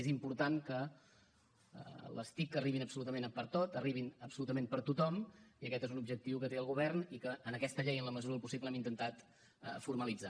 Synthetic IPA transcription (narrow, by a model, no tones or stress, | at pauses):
ezimpuɾt̪ankə | lə̰st̪ikːəriβinəpsulut̪əmenpəɾt̪ot̪əriβinəpsulut̪əmẽmpəɾt̪ut̪ɔmiəkɛt̪ezunubʒək̚t̪iwkət̪eəlˠɣuβɛrnikəːnəkɛst̪əʎejənləməzuɾəlˠpusibləɛmint̪ənt̪at̪ | fuɾməlid͡za